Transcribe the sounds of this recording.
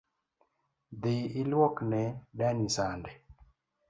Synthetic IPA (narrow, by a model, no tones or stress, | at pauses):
d̪ɪɪlwɔknɛdanisandɛ